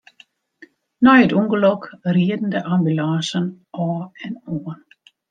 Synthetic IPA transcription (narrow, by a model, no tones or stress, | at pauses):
nɔjətuŋɡəlɔkriədn̩dəʔambylãːsən | ɔːɛnoːn